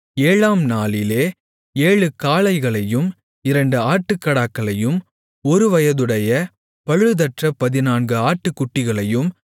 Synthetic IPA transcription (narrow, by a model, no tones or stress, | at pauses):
eːɭaːmnaːlɪleː | eːɭɯkaːɭɐɪɣɐɭɐjɯm | ɪɾɐɳɖɯaːʈːɯkːɐɽaːkːɐɭɐjɯm | ɔɾɯʋɐjɐðɯɽɐjɐ | pɐɻɯðɐʈrɐpɐðɪnaːnɡɯaːʈːɯkːʊʈːɪɣɐɭɐjɯm